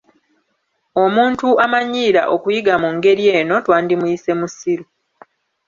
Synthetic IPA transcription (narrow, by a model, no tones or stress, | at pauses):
o̞muːntuamaɲːiːɾa̰ʔo̞kujiɡamuŋɡe̞ɾje̞ːno̞twaːndimujise̞musiɾu